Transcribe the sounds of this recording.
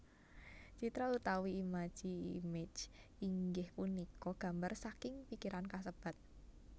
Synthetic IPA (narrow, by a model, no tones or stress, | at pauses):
t͡ʃit̪ɾaut̪awiːmḁʒ̥iimed͡ʒiŋɡɪhpunikɔɡ̥a̤mbarsakɪŋpikiɾankas̬əb̥a̤t̪̚